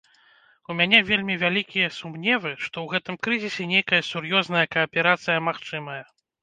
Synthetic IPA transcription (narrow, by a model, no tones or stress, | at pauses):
umʲanʲɛvʲelʲmʲivʲalʲikʲijɐsumnʲɛvɨʂt̪ɔwɣɛt̪ɨmkɾɨzʲisʲɛnʲejkɐjɐsurjɔznɐjɐkɐɐpʲɛɾat̪sɨjɐmaxt͡ʂɨmɐjɐ